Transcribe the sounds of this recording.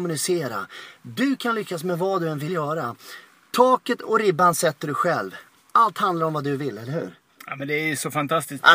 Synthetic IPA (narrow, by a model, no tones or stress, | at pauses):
mɵnɪseːɾa̰d̪ɵkʰanlʏkːasmɛvad̪ɵɛnvɪljœːɾa | t̪ʰɑːkət̪ʰɔɾɪbːansɛt̪ːəɖɵɧɛlv | alt̪hand̪laɾɔmvad̪ɵvɪlːɛlːəɾhʉ̟̰ːɾ | amɛnd̪ɛæjsɔfant̪ʰast̪ɪs